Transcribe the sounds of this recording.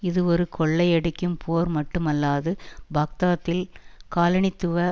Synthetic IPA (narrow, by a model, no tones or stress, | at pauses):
ɪðɯɔɾɯkʰɔɭːɐɪɛɽɐkʲːɯmpʰoːɾmɐʈːɯmɐlːaːðɯbɐk̚t̪aːt̪ːɪlkaːlɐɳɪt̪ːɯʋɐ